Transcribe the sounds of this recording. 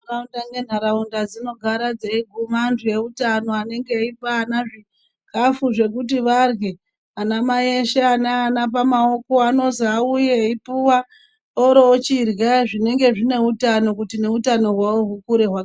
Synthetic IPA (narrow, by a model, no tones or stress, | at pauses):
uraundane̞n̤aɾaundad͡zino̞ɡʱaɾad͡zeiɡʱumanduje̞utano̞ane̞ŋɡe̞ipaːnaʐi | kafuʐe̞kut̬iʋarɡe | anamaeʃeanaːnap̬amao̞ko̞ano̞zaujeipuwa | oɾo̞ːt͡ʃirɣaʐine̞ŋɡe̞ʐine̞utano̞k̬utine̞utano̞ɦwawo̞ɦukuɾe̞ɦwak